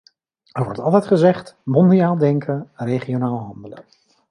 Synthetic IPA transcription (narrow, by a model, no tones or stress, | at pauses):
ɛɹʋɔ̰ɹtɑlˠtɛjtχəzɛχtmɔndiaːlˠdɛŋkʰənrejχionaːlˠəɦɑndələn